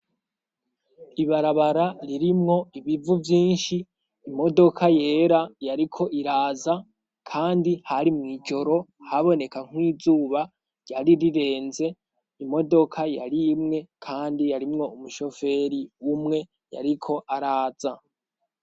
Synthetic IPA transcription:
iβaɾaβaɾaɾiɾimŋo̞iβivuvjiːnʃiː | mo̞do̞kʰaje̞ːɾajaɾikʰo̞ʔiɾaːza | kʰaːndihaɾimŋiːd͡ʒo̞ɾo̞haβo̞ne̞kaŋ̥wiːzuːβa | ɟaɾiɾiɾe̞ːnze̞ | imo̞do̞kʰaja̰ɾiːmŋe̞kʰaːndijaɾimŋo̞umuʃo̞fe̞ɾiumŋe̞ | ja̰ɾikʰo̞ʔaɾaːz̥a

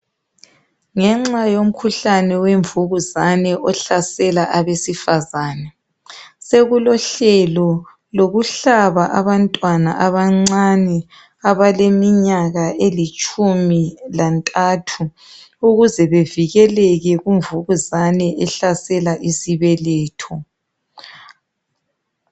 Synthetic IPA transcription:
ŋɛŋ͡ǁajom̩kʰuɬanɛweɱvuɣuzanɛʔɔɬasɛlaʔaβesifazaːnɛ | seɣulɔɬɛlɔ | loɣuɬaβaʔaβantʼwana̰ʔaβaŋ͡ǀanɛ | aβalemiɲaɣaʔelit͡ʃʼumilantʼatʰu | uɣuzɛβeviɣɛlɛɣɛɣuɱvuɣuzanɛʔɛɬasɛlaʔisiβɛlɛːtʰɔ

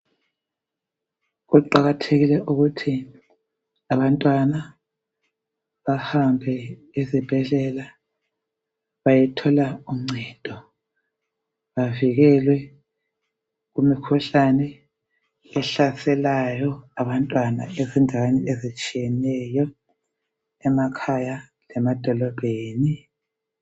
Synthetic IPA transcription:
ɣuǃaɣatʰeɣilɛʔuɣutʰi | aβantʼwana | βahambʱɛ | ezib̥ʱɛɮɛla | βajɛtʰɔlaum̩ŋ͡ǀʱɛd̥ʱɔ | βaviɣɛlwɛ | ɣumikʰuɬanɛ | ɛɬasɛlajɔaβantʼwana̰ezindʱaweniezit͡ʃʼijɛnɛjɔ | ɛmakʰaja | lɛmad̥ʱɔlɔb̥ʱeːni

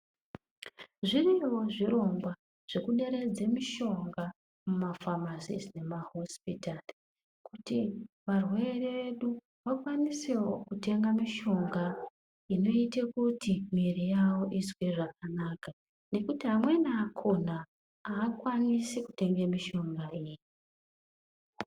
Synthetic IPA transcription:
ʐiriwo̞ʐiro̞ŋɡwa | ʐ̥e̞kuɗe̞ɾe̞d͡ze̞miʃo̞ŋɡa | mumafamasḭzne̞maɦo̞spitari | kuti | ʋarwe̞reʋe̞ɗu | ʋakwanisewokute̞ŋɡamiʃo̞ŋɡa | ino̞itekutimirijawo̞ʔizwiʐak̚anaka | ne̞kutiɦamwe̞naːkʰo̞na | aːkwanisiku̥te̞ŋɡemiʃo̞ŋɡaiːji

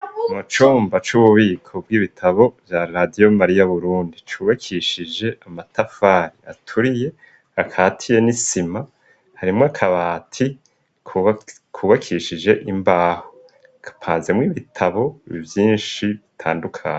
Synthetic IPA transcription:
kmat͡ʃuːmbat͡ʃuβuβiːkʰo̞b̚ɡiːβitʰaβo̞vjaɾadijo̞maɾijaβuɾuːndit͡ʃuβakʰiʃid͡ʒe̞ʔamatafaːɾia̰tʰuɾije̞ | akʰaːtʰije̞nisima | haɾimŋoakʰaβaːtʰi | k | kʰuβakʰiʃid͡ʒe̞ʔimbaːho | kʰḁpʰaːnze̞mŋiβitʰaβo̞βḭvjiːnʃiβitʰa̰ːndukʰaːɲe

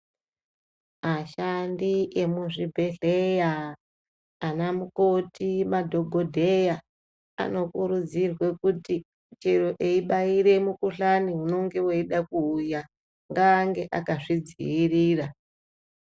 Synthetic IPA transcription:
maʃandiʔe̞muʐibʱe̞ɮejaː | namuko̞timadʱo̞ɡʱodʱe̞ja | a̰no̞kuɾud͡zirwe̞kuti | t͡ʃeɾo̞ʔeiɓaiɾe̞mukuɬaniɦuno̞ŋɡe̞weiɗakuːja | ŋɡaːŋɡe̞ʔakaʐid͡zḭiriːra

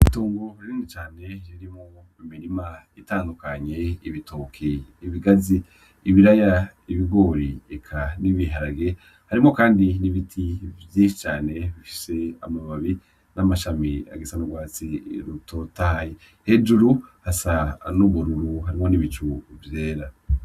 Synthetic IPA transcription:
tuːŋɡoɾiɾiːnit͡ʃaːne̞jiɾimŋo | imiɾimaitaːndukaɲe̞iβitoːkʰeːβiɡaziː | βiɾaja | iβiɡo̞ːɾiekʰaniβiɦaɾaɡe̞ | haɾimŋo̞kaːndiniβitʰivjiʃit͡ʃaːne̞βifi̥se̞a̰maβaβi | namaʃamia̰ɡesanuɡwaːt͡siɾuto̞tahaje | he̞d͡ʒuɾuhasanuβuɾuɾuhaɾimo̞niβit͡ʃuvje̞ːɾa

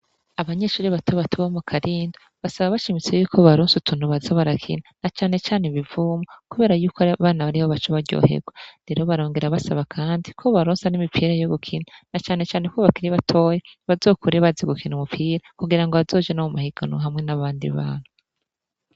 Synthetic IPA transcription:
aβaɲe̞ʃuːɾiβatʰoβatʰuβomukʰaɾiːndo | βasaβaβaʃimit͡sejuːkʰo̞βaɾoːnsutunhuβazoβaɾakʰḭnanat͡ʃaːne̞t͡ʃaːneβivuːmokuβe̞ːɾajuːkβaːnaβaɾihoβat͡ʃoβaɾɟo̰ːɦḛɡwaɾe̞ɾoβaɾoːŋɡeɾaβasaβakʰaːndikʰoβaɾoːnsanimipʰiːɾajoβukʰinanat͡ʃaːne̞t͡ʃaːnekoβakiɾiβatʰoːjeβazo̞ːkuɾeβaziɡukʰinumupʰiːɾakuɡiɾaŋɡoβazo̞ːd͡ʒanamumahiɡ̥anoɦamŋe̞naβaːndḭβa̰ːn̥hu

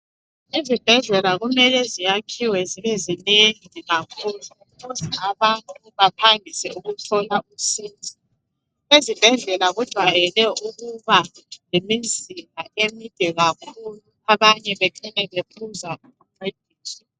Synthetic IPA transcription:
izib̥ʱɛɮɛlaɣumɛlɛzijakʰiwɛziβɛzineŋiɣakʰulu | ɣuzaaβantʼuβapʰaŋʱisɛuɣutʰɔlausiːntʰʼi̥ | ezib̥ʱɛɮɛlaɣud̥ʱwajɛlɛuɣuβalemid͡zʱimʱaemid̥ʱɛɣakʰulu | aβaɲɛβɛkʰɛnɛβepʰuzauɣuǃed̥ʱiːsi

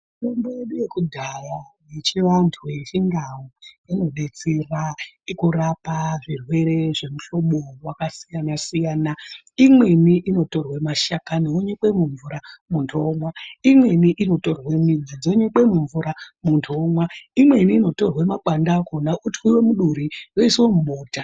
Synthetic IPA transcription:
tembojeɗuje̞kudʱajajet͡ʃiʋantʰujet͡ʃindawoino̞ɗe̞t͡seraikurapaʐirwe̞ɾe̞ʐe̞muɬo̞ɓowakasijanasijaːna | imwe̞niʔino̞to̞rwemaʃakaneoɲekwe̞muɱvuɾamuntʰomwaimwe̞niʔino̞to̞rwe̞mid͡zad͡zoɲekwe̞muɱvuɾamuntʰomwaimwe̞niːno̞to̞rwemaɓandakonaʔutwiwe̞muɗuɾijoiswomuɓoːta

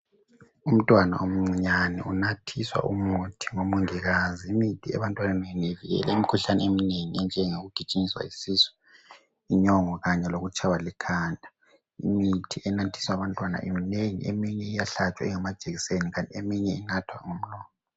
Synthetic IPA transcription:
um̩tʼwana̰ʔom̩ŋ͡ǀiɲanɛʔunatʰiswa̰ʔumutʰiŋomuŋiɣaziimitʰiɛ̰βantʼwananenieviɣɛ̰la̰imikʰuɬanɛemineŋiɛnd͡ʒʱɛŋoɣuɡ̥ʱit͡ʃʼiŋiswa̰isisɛ̥ | iɲɔŋɔɣaɲɛloɣut͡ʃʼʰawalɛkʰaːndʱa | ḭmitʰiʔɛnatʰi̥swaβantʼwana̰ʔemineŋḭḛmiɲɛijaɬat͡ʃʼwa̰ɛŋɛmad̥ʒ̥ʱʼeɣiseniɣantʼiemiɲɛinatʰwa̰ŋom̩lɔːnɔ

